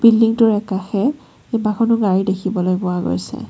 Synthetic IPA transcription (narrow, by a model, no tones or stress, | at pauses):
b̥ildiŋtʊɹɛkaxɛ | ebaxɔnʊɡaɹidekʰibɔlojbʊaɡo̰jsɛ̰